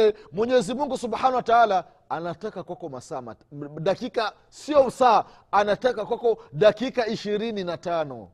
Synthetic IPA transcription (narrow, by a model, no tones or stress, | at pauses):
ɛmwɛɲɛzimuŋɡusuɓħanawataala | anatakakwakɔmasaːma̰ɗakika | siɔusaː | anatakakwakɔɗakikaiʃiɾininatanɔ̰